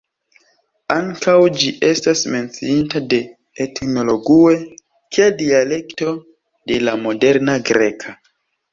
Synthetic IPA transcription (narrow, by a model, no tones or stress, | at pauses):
aŋkawd͡ʒiʔe̞stasme̞nt͡siintade̞ː | tno̞lo̞ɡie̞ | kʰiadiale̞kto̞ | de̞lamo̞de̞ɾnaɡɾe̞kʰa